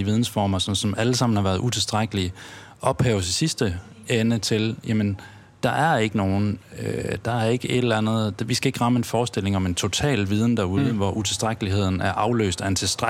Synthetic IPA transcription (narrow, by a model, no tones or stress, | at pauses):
iʋið̞ˠn̩sfɒ̰ːmɐsɒ̽msɒ̽mʔæləsɑ̈m̰n̩hɑ̈ʋæːɐð̞ˠut͡sʰe̝lsd̥ʁaɡ̥əli | ʔɒ̽b̥hɛʊsisisd̥əenət͡sʰe̝ljæmən | d̥ɑ̈ʔæɐe̝ɡ̥əno̝ːn̩ød̥ɑ̈æɐe̝ɡ̥əe̝d̥l̩ænð̞̩̥ˠʋisɡ̥æe̝ɡ̥ʁɑ̈məe̝nfɒːsd̥el̰e̝ŋɒ̽me̝nt͡sʰo̝t͡sʰɛ̰ːlʋið̞ˠn̩d̥æɐuð̩ˠəʋɒʔut͡sʰe̝lsd̥ʁaɡ̥əliɦe̝ð̞̰ˠn̩æɐʔɑ̈ʊlø̰ːsd̥æent͡sʰe̝lsd̥ʁ